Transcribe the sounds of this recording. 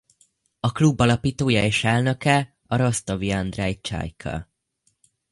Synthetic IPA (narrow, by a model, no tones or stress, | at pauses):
ɒklubːɒlɒpiːt̪oːjɒeːʃɛlnøkɛ | ɒɾo̞st̪ɒviɒnd̪rɛj̚t͡ʃa̰jkʰɒ̰